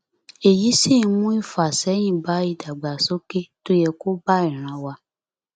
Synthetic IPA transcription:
e˨ji˨˦si˦˨˧mũ˦i˦˨fa˨sɛ˨˦j̃ĩ˦˨ba˨˦i˦˧˨da˨ɡ͡ba˨so˦ke˦to˦jɛ˧ko˦ba˦i˨ɾ̃ã˨˦wa˧

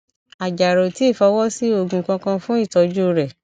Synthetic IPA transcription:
a˨d͡ʒa˨ɾo˨ti˨˦i˦˨fɔ˨˧˦wɔ˦si˦o˦˧ɡũ˧kã˧kã˧fũ˦i˦˨tɔ˨˧d͡ʒu˦ɾɛ˦˨

